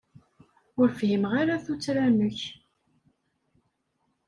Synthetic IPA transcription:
ʊɾfhimʁaɾaθut͡sːɾænʊç

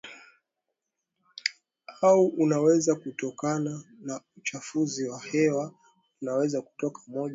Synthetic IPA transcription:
hauʔunawɛzakutɔkananaut͡ʃafuziwahɛwa | unawɛzaku̥tɔkamɔʄ

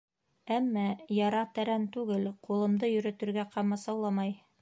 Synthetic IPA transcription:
æmːæjɑɾɑt̪æɾænt̪ʉɡɘlqulˠɤ̆md̪ɤjɵ̆ɾɵ̆t̪ɵ̆ɾɡæqʰɑmɑsɑwlˠɑmɑj

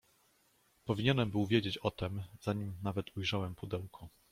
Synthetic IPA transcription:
pɔvʲiɲɛnɛmbɘwvʲjed͡ʑet͡ɕɔt̪ɛmzaɲimnavɛt̪ʰujʐawɛmpud̪ɛwkʰɔ

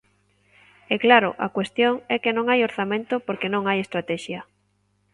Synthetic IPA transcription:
ɛklaɾʊ̰ʔa̰kwest̪joŋɛkenõŋajoɾθamẽnt̪ʊpoɾkenõŋajest̪ɾat̪ɛʃjɐ

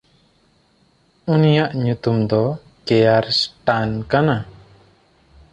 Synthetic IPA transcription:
unijaʔɲut̪umd̪ɔ | kɛjaɾsʈankana

